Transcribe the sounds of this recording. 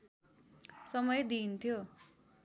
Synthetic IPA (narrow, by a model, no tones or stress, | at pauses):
sʌmʌjd̪iːnt̪ʰjo